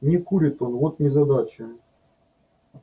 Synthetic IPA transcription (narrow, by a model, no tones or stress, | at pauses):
nʲɪkuɾʲɪt̪o̞nvo̞t̪nʲɪzɐd̪at͡ɕɪ